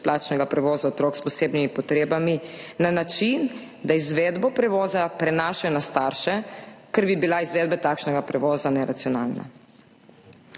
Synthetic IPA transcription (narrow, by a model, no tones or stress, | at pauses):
plaːt͡ʃnɛɡapɾɛʋɔːzaot̪ɾoːkspɔseːbnimipɔt̪ɾeːbaminanat͡ʃin | d̪aizʋeːd̪bɔpɾɛʋɔːzapɾɛnaːʃajɔnast̪aːɾʃɛkɛɾbibilaizʋeːd̪bɛt̪aːkʃnɛɡapɾɛʋɔːzanɛɾat̪sijɔna̰ːlna̰